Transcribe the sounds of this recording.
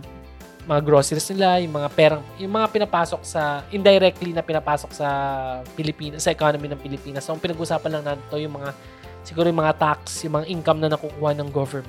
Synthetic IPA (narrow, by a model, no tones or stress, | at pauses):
mɐŋaɡɾo̞ːsɛɾsnɪlajʊŋmɐŋapɛːɾɐŋjʊŋmɐŋapɪnɐpaːso̞k̚sɐʔɪnd̪ɐjɾɛk̚t̪linɐpɪnɐpaːso̞k̚sɐpɪlɪpiːnɐsɐʔɛkoːnominɐŋpɪlɪpiːnɐsoʔɐŋpɪnɐɡʊʔʊsaːpɐnlɐŋnɐnt̪o̞jʊŋmɐŋa | sɪɡuːɾojʊmɐŋat̪ak̚sjʊŋmɐŋaʔiŋkɐmnɐnɐkukuːhɐnɐŋɡovɛɹmɛ